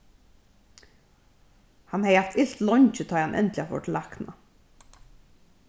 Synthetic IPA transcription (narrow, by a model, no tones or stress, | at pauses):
hanhɛjaft̪ɪɬt̪lɔɲt͡ʃət̪ʰɑːjhanʔɛ̰nt̪lɪafɔ̰ʈʰɪlakna̰